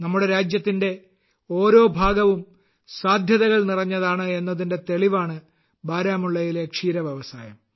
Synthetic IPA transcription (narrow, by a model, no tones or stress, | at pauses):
nɐmːuɽe̞ɾaːd͡ʑjɐt̪ːinde̞ | o̞ːɾo̞ːbʱaːɡɐʋum | saːd̪ʱjɐðɐɣɐɭnirɐɲːɐðaːɳɨe̞nːɐðinde̞t̪e̞ɭiʋaːɳɨ | baːɾaːmuɭːɐjilekʂiːɾɐʋjeʋɐsaːjɐ̰m